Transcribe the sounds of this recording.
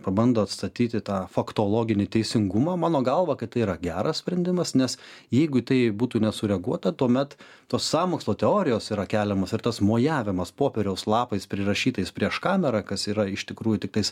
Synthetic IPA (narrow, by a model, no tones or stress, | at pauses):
pɐbɐnd̪oːɐt̪st̪ɐt̪ʲiːt̪ʲɪt̪ɑːfɐkt̪oːlˠoːɡʲɪnʲɪt̪ʲɛɪsʲɪŋɡʊmɑːmɑːnoːɡɐlˠʋɐkɐɪt̪ɐɪiːɾɐɡʲæːɾɐssʲpʲɾʲɛnʲd̪ʲɪmɐsnʲɛsjɛɪɡʊɪt̪ɐɪbuːt̪uːnʲɛsʊɾʲɛɐɡuɔt̪ɐt̪uɔmʲɛt̪ | t̪oːsːɑːmoːkslˠoːt̪ʲɛoːɾʲɪjoːsiːɾɐkʲæːlʲɛmɐsɪɾt̪ɐsmoːjæːʋʲɪmɐspoːpʲɛɾʲɛʊslˠɑːpɐɪspʲɾʲɪrɐʃʲiːt̪ɐɪspʲɾʲiɛʃkɑːmʲɛɾɑkɐsiːɾɐɪʃt̪ʲɪkɾuːjʊt̪ʲɪk̚t̪ɐɪs